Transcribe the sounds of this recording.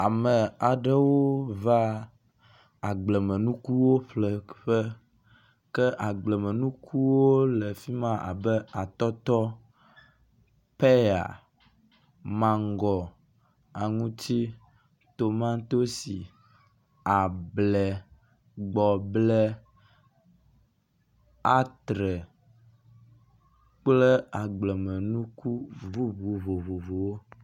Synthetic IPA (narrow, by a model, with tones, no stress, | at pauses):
a˨mɛ˨a˨ɖɛ˦wo˦va˦ | a˨ɡ͡blɛ˨mɛ̃˨nũ˦ku˦wo˦ɸlɛ˨ɸɛ˦ | kɛ˦ʔa˨ɡ͡blɛ˨mɛ̃˨nũ˦kʰu˦wo˦lɛ˨fi˦mã˦ʔa̰˨bɛ˦a˨t̪ɔ˦t̪ɔ˦ | pɛ˦ja̰˨ | mã˨ŋ˦ɡɔ˨ | a˨ŋũ˦t͡ɕ̪i˦ | t̪o˨mã˦t̪o˦si˨ | a˨blɛ˨ | ɡ͡bɔ˨blɛ˦ | a˦t̪ɾɛ˨ | k͡plɛ˦a˨ɡ͡blɛ˨mɛ̃˨nũ˦ku˦vu˦vu˨vo˨vo˨vo˨wo˦